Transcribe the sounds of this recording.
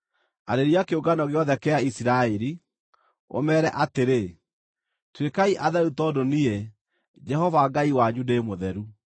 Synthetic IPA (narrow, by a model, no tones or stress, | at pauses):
aɾeɾiakeoɡanɔɣeɔðɛkɛaisiɾaeɾi | o̰mɛːɾɛʔateɾe | twekaiʔaðɛutɔːdonie | d͡ʒɛhɔvaɡaiwaɲudeemoðɛɾu